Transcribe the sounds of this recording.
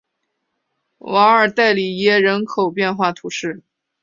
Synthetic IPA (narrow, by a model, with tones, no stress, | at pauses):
wa˧˥ŋə˞˨˩t̪a˥˩ɪli˨˩jɛ˥˩ɻə˧˥nkʰo˨˩ʊpjɛ˥˧nxwa˥˩t̪ʰu˧˥ʂɻ̩˥˩